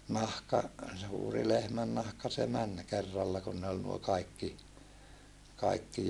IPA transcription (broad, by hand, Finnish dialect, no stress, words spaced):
nɑhkɑ suːri lehmænːɑhkɑ se mæn kerːɑlːɑ kun ne ol nuo nuo kɑikːi kɑikːi